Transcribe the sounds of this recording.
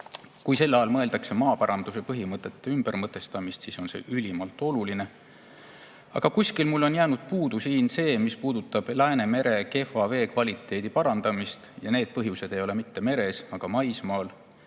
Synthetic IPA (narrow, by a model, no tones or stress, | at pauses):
kujse̞lːɑjɑlmɤe̞ld̪ɑkse̞mɑːpɑɾɑnd̪̥use̞pɤɦimɤt̪ːˑe̞t̪ːe̞ymb̥eɾmɤt̪ːˑe̞st̪ɑmist̪siso̞nse̞̰ːʔylʲimɑlt̪ːˑo̞luline̞ | ɑ̰ɡ̥ɑkusʲkilmulːo̞njæːnud̪̥̚puːd̪̥usiːnse̞ːmispuːd̪̥ut̪ːˑɑb̥læene̞me̞ɾe̞ke̞fɑve̞ːkvɑlʲit̪ˑːe̞ːd̪̥ipɑɾɑnd̪̥ɑmist̪jɑne̞ːd̪̥̚pɤɦjuse̞d̪̥e̞jo̞le̞mit̪ːe̞me̞ɾe̞sɑɡ̥ɑmɑjsmɑːl